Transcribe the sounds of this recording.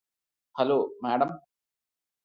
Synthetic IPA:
hɐloːmɛːɽɐm

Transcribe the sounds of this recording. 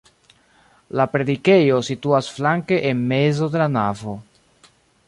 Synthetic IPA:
lapɾe̞dike̞jo̞situasflaŋke̞ʔenmezo̞de̞lanavo̞

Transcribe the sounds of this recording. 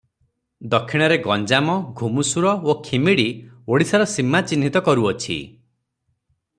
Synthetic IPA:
d̪ɔkʰːiɽ̃ɔɾeɡɔnd͡ʒamɔɡʱumusuɾɔokʰimiɽioɽisaɾɔsimːat͡ʃinit̪ɔkɔɾuɔt͡ʃʰḭ

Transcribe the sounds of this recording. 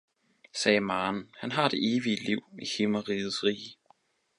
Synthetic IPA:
sɛːmɑːnhænɦɑ̈d̥e̝ʔe̝ːʋiəliʊ̰ihimɐʁiːð̩ˠsʁiː

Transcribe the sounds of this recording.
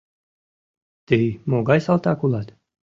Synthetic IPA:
t̪ijmɔːɡajsalˠt̪aːkulˠat̪

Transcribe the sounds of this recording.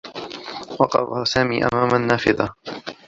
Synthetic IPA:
wɑqɑ̰fahasaːmiːʔa̰maːmanːaːfɪðɑ

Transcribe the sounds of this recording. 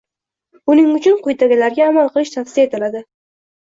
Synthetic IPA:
ʊnɪŋʊt͡ʃʰʊnqʰʊjt̪ʰaɡʲɪlaɾɡʲaːmalˠqʰɨlɪʃt̪ʰafsɪ̥se̞t̪ʰɪlad̪ɪ

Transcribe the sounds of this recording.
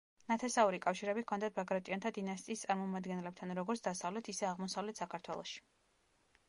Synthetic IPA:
nat̪ʰɛsauɾikʼafʃiɾɛbikʰɔnd̪ad̪̚baɡɾat̪ʼiɔnt̪ʰad̪inast̪ʼiːst̪sʼaɾmɔmad̪ɡɛnlɛb̚t̪ʰanɾɔɡɔɾtsʰd̪asavlɛt̪ʰisɛaʁmɔsavlɛt̪ʰsakʰaɾt̪ʰwɛlˠɔ̰ʃi̥

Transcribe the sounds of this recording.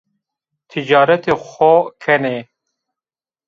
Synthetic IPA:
t̪ʰid͡ʒɑːɾɐt̪eːxʷokʰɛneː

